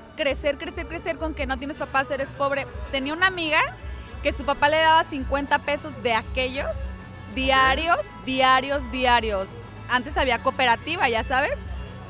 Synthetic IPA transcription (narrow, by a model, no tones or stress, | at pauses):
kɾe̞se̞ɾkɾe̞se̞ɾkɾe̞se̞ɾko̞ŋke̞no̞t̪jenespapaseɾespo̞β̞ɾe̞t̪e̞niaunamiɣake̞supapale̞ðaβasiŋkwe̞nt̪ape̞so̞zðe̞ake̞ʝo̞s | d̪iaɾjozd̪jaɾjo̞zðjaɾjo̞s | ant̪e̞saβiako̞pe̞ɾat̪iβaʝasaβe̞s